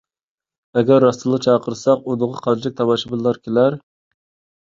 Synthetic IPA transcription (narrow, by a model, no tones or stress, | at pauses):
ɛɡʲæɾːɑst̪ʰɨlˠət͡ʃʰɑːqʰəɾsɑqud̪ʊʁɑqʰɑd͡ʒɛk̚ʲt̪ʰɑbɑʃɪbɨlˠːɑɾkʲʰelæɾ